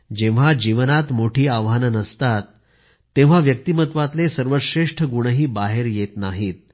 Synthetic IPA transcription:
d͡ʑẽʋ̃ʋ̤ad͡ʑiʋənat̪moʈʰiːaʋɦanənəst̪at̪ː | ẽʋ̤̃aʋjək̚t̪imət̪ʋat̪lesəɾʋəɕɾeʂʈʰəɡuɳəɦiːbaɦeɾjet̪naɦiːt̪̚

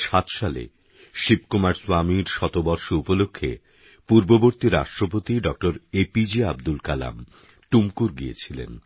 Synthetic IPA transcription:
ʃat̪ʃalḛ | ʃib̚kumaɾswamiɾʃɔt̪obɔɾʃoupolokʰːḛ | puɾboboɾt̪iɾa̰ʃʈɾopot̪iɖɔk̚ʈoɾepid͡ʑiab̚d̪ulkala̰m | ʈumkuɾɡiḛt͡ɕʰilḛn

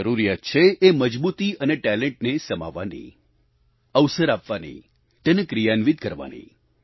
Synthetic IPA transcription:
əɾuɾijat̪̚t͡ʃʰeːməd͡ʒbut̪iəneʈɛlẽɳʈnesəma̰ʋːa̰nḭ | əʋsəɾapʋanḭ | t̪enekɾijanʋid̪̚kəɾʋa̰nḭ

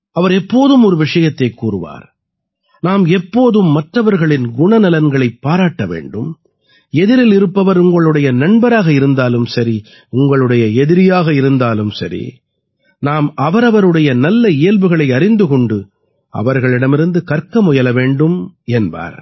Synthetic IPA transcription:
ɐʋɐɾɛpːoːðɯmɔɾɯʋɪʂɐjɐt̪ːɐɪkːuːrɯʋa̰ːɾ | naːmɛpːoːðɯmːɐʈrɐʋɐɾɣɐɭɪnɡʊɳɐnɪlɐnɡɐɭɐɪpːaːɾaːʈːɐʋḛːɳɖɯm | ɛðɪɾɪlɪɾɯpːɐʋɐɾʊŋɡɐɭɯɽɐjɐnɐɳbɐɾaːɣɐɪɾɯnd̪aːlɯmsɐɾi | ʊŋɡɐɭɯɽɐjɐɛðɪɾɪjaːɣɐɪɾɯnd̪aːlɯmsɐɾḭ | naːmɐʋɐɾɐʋɐɾɯɽɐjɐnɐlːɐɪjɐlʋɯɣɐɭɐɪɐɾɪnd̪ɯkɔɳɖɯ | ɐ̰ʋɐɾɣɐɭɪɽɐmɪɾɯnd̪ɯkɐɾkɐmɔjɐlɐʋeːɳɖɯmɛnba̰ːɾ

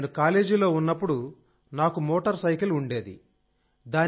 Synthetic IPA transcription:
nukaːle̞ːd͡ʒilo̞ːunːɐpːuɽu | naːkumoːʈɐɾsɐjkiluɳɖe̞ːd̪ḭ | d̪aː

